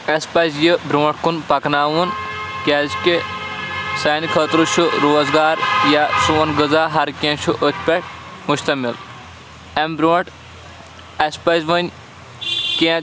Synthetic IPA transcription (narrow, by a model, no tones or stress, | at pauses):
ɐspɐzjɨbɾoːʈ̚ʰkunpɐknaːʋunkʲezkʲe | sɐːnikʰɐːt̪ɾuʃʰuɾoːzɡaːɾjasuʋɐnɡəzaːɦɐɾkʲẽʃʰuʔət̪ʲʰpʲɛʈ̚ | muʃt̪ɐmil | ɐmbɾoːʈ | ɐspɐzʋɐnʲ | kʲẽ